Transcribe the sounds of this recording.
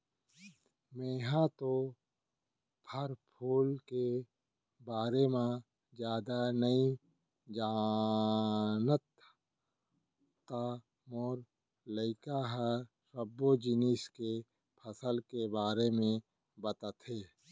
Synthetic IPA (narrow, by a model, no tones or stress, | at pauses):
meːɦãt̪o | pʰəɾpʰuːlke | baːɾemã | d͡ʒjaːd̪anəi | d͡ʒaː | nət̪ | a | mɔːɾ | ləɪkaɦa | ɾəbːod͡ʒɪniːske | pʰəsəlkebaːɾemẽ | bət̪ət̪ɦeː